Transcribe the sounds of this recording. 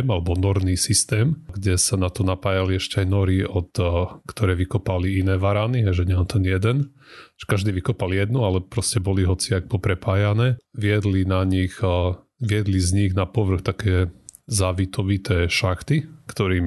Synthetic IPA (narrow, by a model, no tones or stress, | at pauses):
malɛbɔnɔɾniːsist̪ɛːmɡɟɛsanat̪ɔnapaːjaliɛʃcɛajnɔɾiʔɔt̪ːkt̪ɔɾɛːʋikɔpaliinɛːʋaɾaniɦɛjʒɛɲɛant̪ʰɛnjɛd̪ɛn | ʒ̥ɛ̥kaʒd̪iːʋikɔpaljɛd̪nualɛpɾɔscɛbɔliɦɔt͡siak̚pɔpɾɛpaːjanɛːʋɪɛd̪linaɲix | ʋɪɛd̪lizɲiɣnapɔʋr̩xt̪akɛːzaːʋit̪ɔʋit̪ɛːʃaxt̪ikt̪ɔɾiːm